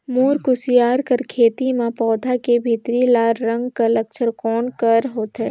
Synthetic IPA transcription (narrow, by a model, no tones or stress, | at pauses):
moːɾkʊsijaːɾkəɾkʰeːt̪imẽpɔːd̪ʱakebʱit̪ɾilaːɾɾə̃ŋɡkɐlɐkt͡ʃʰəɾkɔːnkɐɾɦoːt̪ɦɛː